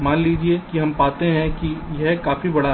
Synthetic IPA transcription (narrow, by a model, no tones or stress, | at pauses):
maːnliːd͡ʒiekiɦɐmpaːt̪eɦɛ̃kijɛɦkaːfibɐɽa